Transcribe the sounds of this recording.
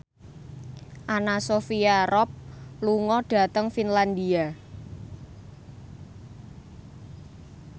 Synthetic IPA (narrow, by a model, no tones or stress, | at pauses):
ʔanasofiaɾɔp̚luŋɔɖ̥a̤t̪əŋfinland̪ia